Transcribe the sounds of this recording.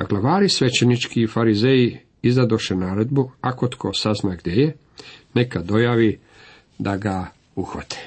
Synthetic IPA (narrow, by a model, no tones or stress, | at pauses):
aɡlˠaʋaːɾisʋe̞t͡ɕenit͡ʃkiːfaɾizeji | izad̪oʃenaːɾed̪buako̞t̪kʰosaznaɡd̪jeje | nekad̪o̞jaːʋi | d̪aɡa | uxʋa̰t̪ʰe̥